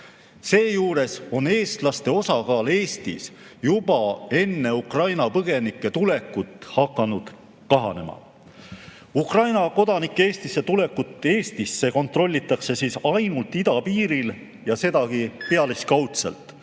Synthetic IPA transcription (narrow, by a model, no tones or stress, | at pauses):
se̞ːjuːɾe̞so̞ne̞ːst̪lɑst̪e̞o̞sɑkɑːle̞ːst̪is | jub̥ɑe̞nːe̞ukrɑjnɑpɤɡ̥e̞nikːˑe̞t̪ule̞kːut̪ːˑhɑkːˑɑnud̪̥ | kɑɦɑ̰ne̞mɑ̰ | ukrɑjnɑko̞d̪ɑnikˑːeeːst̪ise̞t̪ule̞kːut̪ːˑe̞ːst̪isːe̞ko̞nt̪ro̞lʲːit̪ːˑɑkse̞siːsɑjnult̪ːˑid̪ɑpiːɾil | jɑse̞d̪ɑɡipeɑliskɑwt̪selt̪ˑ